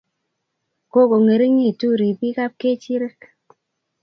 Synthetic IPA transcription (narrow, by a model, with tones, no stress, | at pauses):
ko˦ko˨ŋe˨ɾi˦ŋe˦˨tu˦˨ɾi˨pi˦ka˦p̚ke˦t͡ʃi˦ɾe˦k